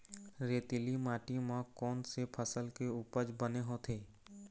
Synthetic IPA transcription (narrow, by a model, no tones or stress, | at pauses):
ɾeːt̪ilimaːʈimãkɔːnsepʰəsəlkeuːpəd͡ʒbəneɦõt̪ʰeː